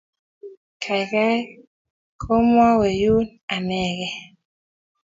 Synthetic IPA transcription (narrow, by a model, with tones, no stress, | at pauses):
kʰa˨ka˦ | kʰo˦mwa˦we˨ju˦n | a˨mɛ˨ɣɛ˨